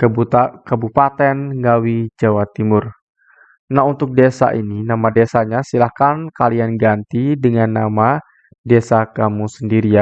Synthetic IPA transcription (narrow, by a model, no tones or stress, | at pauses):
kəbupat̪ɛnɡawid͡ʒawat̪imʊr | naɦunt̪ʊk̚desa̰ʔininamadesaɲasilahkankalianɡant̪idəŋanːama | desakamusəndiɾia